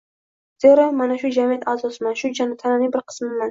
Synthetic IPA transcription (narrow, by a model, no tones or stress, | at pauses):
z̥eɾamanaʃud͡ʒamijat̪azɒsɨmanʃud͡ʒant̪ʰananɪbɪɾqʰɨ̥smɪman